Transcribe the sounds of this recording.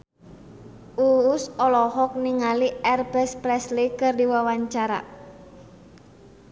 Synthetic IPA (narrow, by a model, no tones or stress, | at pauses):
ʔuːsɔlɔɦɔk̚niŋaliʔɛrbɛspɾɛslikɨrdiwawaɲt͡ʃaɾa̰